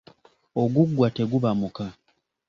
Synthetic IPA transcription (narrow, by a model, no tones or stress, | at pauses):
o̞ɡuɡːwate̞ɡuβamuka